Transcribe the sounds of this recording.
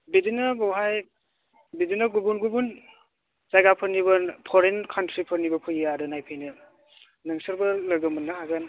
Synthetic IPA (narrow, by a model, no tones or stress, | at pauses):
bidinɐɡɔwɦaj | bidinɐɡubunɡubun | zajɡapʰɯɾniβɐpʰɔɾenkʰɐntɾipʰɐɾnibɐpʰɯjaɾɯnajpʰɯjnɯ | nɯŋsɐɾbɐlɐɡɯmɯnːaɦaɡan